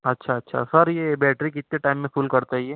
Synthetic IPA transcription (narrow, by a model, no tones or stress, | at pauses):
ɐtːʃʰaɐtːʃʰa̰sɐɾjebɛːʈɾikɪt̪ːeʈaːɪmːẽfʊːlkɐɾt̪aiɛː